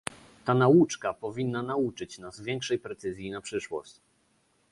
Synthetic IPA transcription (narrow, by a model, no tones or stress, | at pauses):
t̪anaut͡ʂkapɔvʲinːanaut͡ʂɘt͡ɕnazvʲjɛŋkʂɛjpɾɛt̪sɘzʲjinapʂɘʂwɔ̰ɕt͡ɕ